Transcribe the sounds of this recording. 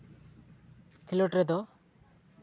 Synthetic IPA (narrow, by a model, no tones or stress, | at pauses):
k̪ʰilɔʈɾɛd̪ɔ